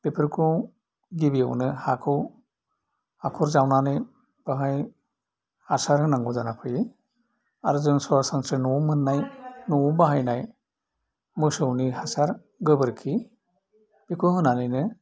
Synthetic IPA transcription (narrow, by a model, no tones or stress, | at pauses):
pepʰəɾkʰɔ̃ | ɡibija̰wnɯhakʰɔw | akʰɔɾzawnanɯj | b̥aɦaj | hasaɾɯnaŋɡuzanapʰɯji | aɾzɯnsɔasansɾenumɯnːajnubaɦajnaj | mɯsɯwnihasaɾ | ɡɯbəɾkʰi | pikʰuɦɯnanɯjnɯ